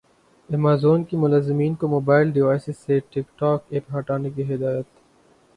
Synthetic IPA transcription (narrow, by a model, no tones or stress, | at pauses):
emaːzoːnkimʊlaːzɪmiːnkomoːbaːɪlɖɪʋaːjsɪsːeʈɪkʈaːkeːpɦaʈaːnekiɦɪd̪aːjət̪